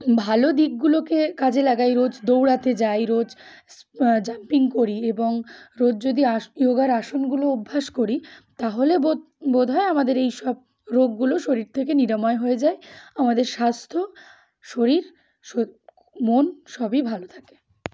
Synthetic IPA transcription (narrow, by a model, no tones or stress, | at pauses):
bʱalod̪iɡɡulokekad͡ʑelaɡajɾod͡ʑd̪owɽat̪ed͡ʑajɾod͡ʑ | d͡ʑampiŋkoɾieboŋɾod͡ʑd͡ʑod̪iajoɡaɾaʃonɡuloubʱːaʃkoɾit̪aɦolebo | bod̪ʱɔeamad̪eɾejʃɔb̚ | ɾoɡːuloʃoɾiɾt̪ʰekeniɾamɔeɦoed͡ʑaeamad̪eɾʃast̪ʰo | ʃoɾiɾ | o | monʃɔbibʱalot̪ʰake̥